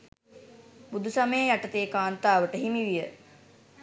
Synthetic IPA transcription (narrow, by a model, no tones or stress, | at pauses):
bud̪usaməjəjaʈət̪eːkaːnt̪aːʋəʈəɦimiʋijə